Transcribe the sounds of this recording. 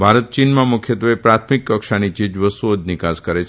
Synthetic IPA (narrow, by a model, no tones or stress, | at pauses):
bʱaɾət̪̚t͡ʃinmãmʊkʰjət̪ʋepɾat̪ʰmikːəkʃanit͡ʃɪd͡ʒʋəst̪uod͡ʒ̪nɪkaskəɾet͡ʃʰ